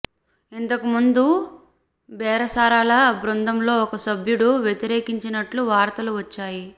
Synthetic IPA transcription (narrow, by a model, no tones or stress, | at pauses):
int̪ɐkumund̪u | bɛːɾɐsaːɾaːlɐbɾund̪ʱɐmlo̞ːɔkɐsɐbʱjuɽuʋjet̪iɾeːkiɲt͡ʃinɐʈluʋaːɾt̪ɐluʋɐt͡ʃːaːji